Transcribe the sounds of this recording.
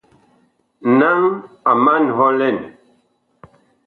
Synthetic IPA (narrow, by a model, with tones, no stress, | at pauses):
na˦ŋ | a˨ma˦nɦɔ˦lɛ˦˨n